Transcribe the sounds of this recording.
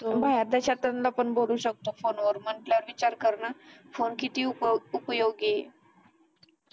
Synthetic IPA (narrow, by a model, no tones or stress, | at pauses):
t̪obʱaɦjaɾd̪əɕat̪ɾanlapəɳboluːɕək̚t̪ofonʋəɾməɳʈljaʋəɾʋit͡ɕaɾkəɾɳafonkit̪iːupjoɡɡee